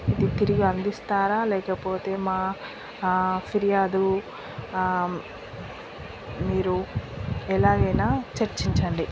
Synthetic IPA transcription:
id̪it̪iɾiɡiɐnd̪ist̪aːɾaːlɛːkɐpo̞ːt̪e̞ːmaː | fʰiɾijaːd̪u | miːɾu | ɛlaːɡɐjnaːt͡ʃɐɾt͡ʃiɲt͡ʃɐɳɖi

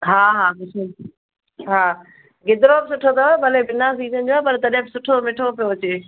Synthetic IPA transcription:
ɦaːɦaːbɪsʊl | ɦaː | ɡɪd̪ɪɾobɪsʊʈʰot̪ʰɐbɐlebɪnasiːzənɪd͡ʑoaːpɐɾt̪ɐɗɦɪ̃bɪsʊʈʰomɪʈʰopijoɐt͡ɕeː

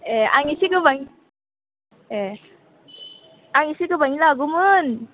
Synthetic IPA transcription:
ɛa̰ŋisikɯbaŋi | ɛ | aŋisikɯbaŋilaaɡumɯn

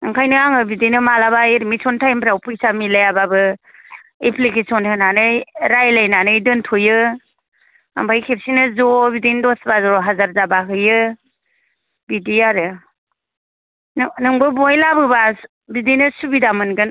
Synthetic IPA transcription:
ɯŋkʰajnɯaŋɯbidijnɯmalabaeɾimisɔntʰajmbʰɾawpɯjsamilajababɯ | epʰlikesɔntʰɯnanɯɾajlajnanɯjdɯntʰujɯ | a̰mpʰajkʰep̚sinɯzɔbidijndɔsbazɾɔɦazaɾzabakʰɯjɯ | bidiaɾɯ | nnɯŋbɯbɔjlabɯba | bidijnɯsubidamɯnɡɯn

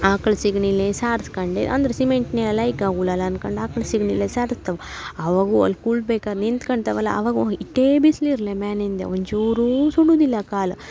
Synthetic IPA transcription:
aːkɐɭsiɡɳilːesaːɾskɐɳɖḛʔɐ̰nd̪ɐɾesimeɳʈneɐlɐjkaːɡulɐlɐːnkɐɳɖaːkɐɭesiɡɳilːesaːɾst̪ɐʋu | ɐʋaːɡuɐ̰lːkuɭbeːkaːd̪nint̪kɐɳɖt̪ɐʋɐlːa̰ɐ̰ʋaːɡuiʈːebisliɾɐlemaːnind̪ḛoɲd͡ʒuːɾusuɽuːd̪ilːɐkaːlɐ

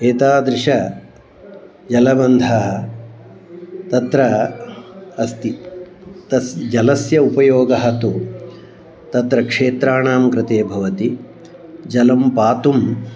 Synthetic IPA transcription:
eːt̪aːd̪ɾɪʂɐ | d͡ʒɐlɐbɐnd̪ʱɐɦɐ | t̪ɐt̪ɾɐ | ɐst̪i | t̪ɐsd͡ʒɐlɐsjɐupɐjoːɡɐɦɐt̪u | t̪ɐt̪ɾɐkʂeːt̪ɾaːɳaːmkɾɪt̪eːbʱɐʋɐt̪i | d͡ʒɐlɐmpaːt̪um

